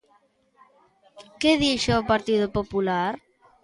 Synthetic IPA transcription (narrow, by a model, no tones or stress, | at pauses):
keðiʃoopaɾt̪iðʊpopulaɾ